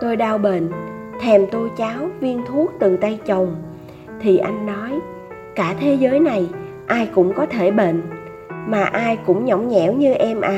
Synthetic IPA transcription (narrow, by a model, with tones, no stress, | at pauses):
t̪o˧jɗaː˧wɓḛ˧˨n | t̪ʰɛ˨˩mt̪o˧jt͡ɕaː˨˦wvi˧ənt̪ʰu˦˥ək̚t̪ɨ˨˩t̪a˧jt͡ɕə˨˩wŋ͡m | t̪ʰi˨˩ʔa˧jŋ̟nɔ˨˦j | kaː˧˩t̪ʰe˨˦zəː˨˦jna˨˩j | ʔaː˧jkʊ̰˧˥ŋ͡mkɔ˨˦t̪ʰe˧˩ɓḛ˧˨n | maː˨˩ʔaː˧jkʊ̰˧˥ŋ͡mɲɔ˧˩wŋ͡mɲɛ̰˧˩wɲɨ˧ʔɛ˧mʔaː˧˦